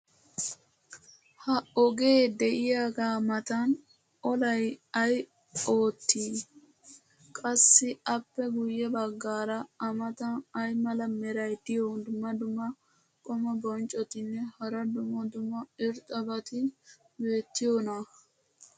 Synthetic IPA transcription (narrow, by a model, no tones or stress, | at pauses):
hɐɔɡe̞ːd̪ɛʔɪjaːɡamɐt̪ɐn | ʔɔlɐjɐj | oːt̪ːiː | kʼɐsːɪɐpːɛɡʊjːɛbɐɡːaːɾɐɐmɐt̪ɐnɐjmɐlɐmɛɾɐjd̪ɪjod̪ʊmːɐd̪ʊmːɐ | kʼɔmɐbɔnt͡ʃʼɔt̪ɪnːɛhɐɾɐd̪ʊmɔd̪ʊmɐɪɾt̪ʼɔbɐt̪ɪ | be̞ːt̪ːɪjoːnɐ